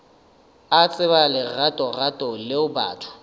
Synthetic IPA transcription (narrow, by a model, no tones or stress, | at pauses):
at͡sʼɪβalɪratʼɔratʼɔlɪʊba̰ːtʰʊ̥